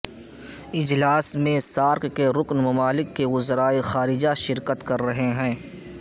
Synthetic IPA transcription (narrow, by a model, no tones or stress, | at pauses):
ɪd͡ʒlaːsmẽsaːɾkkːeɾʊknmɐmaːlɪkːeʋʊzɾaːexaːɾɪd͡ʒaʃɪɾkət̪kɐɾːɐɦeɦɛ̃ː